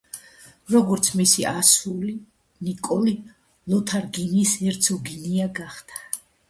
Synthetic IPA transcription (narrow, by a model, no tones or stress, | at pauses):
ɾɔɡɔɾt̪sʰmisiʔasuli | nikʼɔli | lɔt̪ʰaɾɡinisɛɾt̪sʰɔɡiniaɡaχt̪ʰḁ